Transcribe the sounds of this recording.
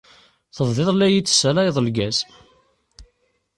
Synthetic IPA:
θəðˤðɪðˤlæji̥ːsːælæjðˤəlɡæs

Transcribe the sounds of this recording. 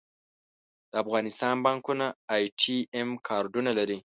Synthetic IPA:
d̪̥əafɣɑnɪst̪ɑnbɑŋkunaːjʈʰiemkʰɑɾɖunalaɾi

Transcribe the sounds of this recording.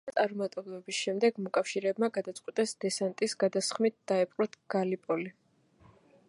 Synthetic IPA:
t̪sʼaɾmat̪ʼɛblˠɛbisʃɛmd̪ɛɡmɔkʼafʃiɾɛːbmaɡad̪at̪sʼqʼwit̪ʼɛsd̪ɛsant̪ʼisɡad̪asχmit̪̚ʰd̪̥aɛpʼqʼɾɔt̪ʰɡ̥alipʼɔli

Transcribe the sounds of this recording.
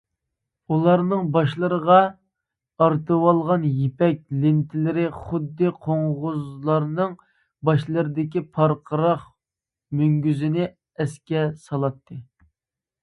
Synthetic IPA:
ulˠɑɾnɨŋbɑʃlˠəɾəʁɑ | ɑɾt̪ɨwɑlˠʁɑnjepɛk̚ʲlɪnt̪ʰɪlɪɾɪχʊd̪ːɨqʰoŋʁʊzlˠɑɾnɨŋ | bɑʃlˠəɾɨd̪ɪkʲipʰɑɾqʰəɾɑχ | myŋɡʲyzɪnɪ | ɛskʲɛsɑlˠɑt̪ʰːɨ

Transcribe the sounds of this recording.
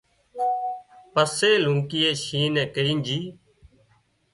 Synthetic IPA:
pəseːluŋkɪːeːʃiːnɛ̃ːkəɾiːnd͡ʒiː

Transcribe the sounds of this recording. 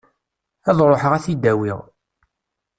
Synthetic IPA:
æðˤɾˤoħəʁæθid̪ːæwiʁ

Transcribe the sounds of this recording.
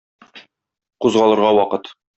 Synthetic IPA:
quzʁɑlˠɤ̆ɾʁɑwɒqɤt̪

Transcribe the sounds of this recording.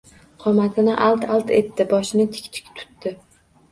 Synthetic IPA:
qʰɒmat̪ʰɪnɪʔalt̪ʰalˠt̪ʰe̞t̪ːɪbɒʃɪnɪt̪ʰɪ̥kʲt̪ʰɪ̥kʲt̪ʰʊ̥t̪ːɪ

